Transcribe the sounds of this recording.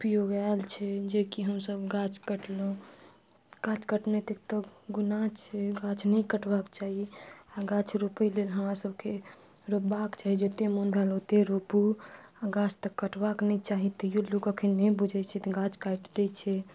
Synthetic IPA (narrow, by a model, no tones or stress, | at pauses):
upjoɡaɪlt͡ʃʰɛd͡ʒekiɦəmsəbɡat͡ʃʰkəʈlõ | ɡ̥at͡ʃkəʈnet̪ek̚t̪əɡunat͡ʃʰɛɡat͡ʃʰnəĩkəʈbakt͡ʃaɦiaɡat͡ʃʰɾupəjlelɦəmɾasəbke | ɾobakt͡ʃaɦid͡ʒet̪emonbʱɛlɦot̪eɾopuaɡat͡ʃʰt̪əkːəʈbaknɛit͡ʃaɦit̪ɔjolukəkʰinɛĩbud͡ʒʱɛt͡ʃʰɛt̪ɡat͡ʃʰkaʈɖet͡ʃʰɛ